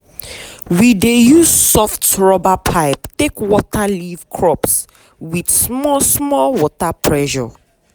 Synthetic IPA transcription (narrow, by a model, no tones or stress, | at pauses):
widejuz̥sɔftɹɔbapʰaɪptekwɔtaliv̥kʰɹɔps | widsmɔsmɔlwɔtapʰɹɛʃɔ̰